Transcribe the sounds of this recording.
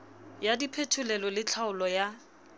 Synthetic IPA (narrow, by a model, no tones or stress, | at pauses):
jadipʰetʰʊlɛlɔlɪt͡ɬʰaʊlɔja